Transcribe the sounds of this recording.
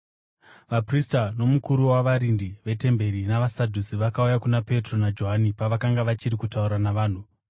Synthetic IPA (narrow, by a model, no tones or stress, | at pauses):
ʋapristano̞mukuɾuwaʋaɾindiʋe̞te̞mbe̞ɾinaʋasadʱusiʋakaujakunape̞tro̞nad͡ʒoɦanipaʋakaŋɡaʋat͡ʃiɾikutauɾanaʋaːn̤u